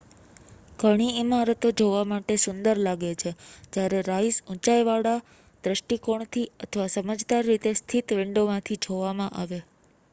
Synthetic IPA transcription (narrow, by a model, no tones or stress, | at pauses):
kəɽ̃iimaɾət̪od͡ʒoʋamaʈesʊnd̪əɾlaɡet͡ʃʰed͡ʒjaɾeɾaisũt͡ʃajʋaɽa | d̪ɾəsʈikoɳ̃t̪ʰiət̪ʰʋasəməd͡ʒd̪aɾːit̪est̪ʰit̪ʋɪ̃ɳɖomãt̪ʰid͡ʒʱoʋamãʔaʋe